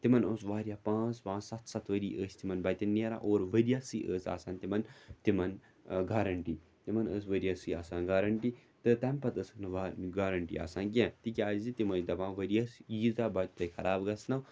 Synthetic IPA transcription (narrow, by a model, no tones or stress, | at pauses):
t̪imɐnoːsʋaːɾijaːpãːt͡spãːt͡ssɐt̪ʰsɐt̪ʰʋɐɾiːʔəːsʲt̪imɐnbaːt̪ɐnːeːɾa̰ːʔoːɾʋɐɾijaːsɨːʔəːsa̰ːsaːnt̪imɐnt̪imɐn | ɡaːɾɐɳʈiː | t̪imɐnəːsʋɐɾʲijaːsiːaːsãːnɡaːɾɐɳʈi | t̪ɨt̪ɐmpɐt̪əːsɨknɨʋaɡaːɾɐɳʈḭːa̰ːsaːnkʲẽt̪ikʲaːzzit̪imɐnt̪ɐbãːʋɐɾijasjiːzaːbat̪ʲt̪ɐjkʰɐɾaːbɡɐsnɐw